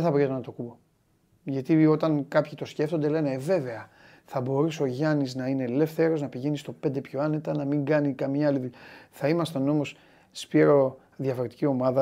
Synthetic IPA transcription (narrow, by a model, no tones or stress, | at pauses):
eθɐpɾit̪nɐt̪o̞kubo̞ | ʝɐt̪io̞t̪ɐnkɐpçit̪o̞sce̞ft̪o̞nd̪e̞le̞neːve̞ve̞ɐ | θɐbo̞ɾusoʝɐniznɐine̞le̞fθeɾo̞znɐpiʝe̞nist̪o̞pe̞nd̪epçoɐne̞t̪ɐnɐmiŋɡɐnikɐmɲɐɐliðuʎθɐimɐst̪eono̞mos | spiɾo̞ | ðʝɐfo̞ɾe̞t̪i̥cio̞mɐðɐ